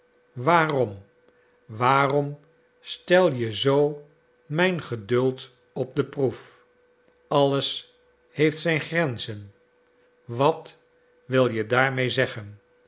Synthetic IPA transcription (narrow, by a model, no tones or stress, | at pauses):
ʋaːrɔm | ʋaːrɔm | stɛlˠjəzow | mɛjnχədɵlˠt | ɔp̚dəpruf | ɑləs | hejftsɛjnχrɛnzən | ʋɑt | ʋɪlˠjədaːɹmejzɛχən